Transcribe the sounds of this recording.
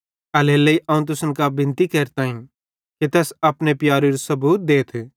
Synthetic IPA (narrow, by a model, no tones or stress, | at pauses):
ɐleːlːɐiʔɐũt̪̬ʊsənkabɪ̃nt̪ikɛːɾt̪aːɦĩ | ket̪ɛsɐpnepjaːɾiɾosɐbuːt̪̚d̪eːt̪ʰː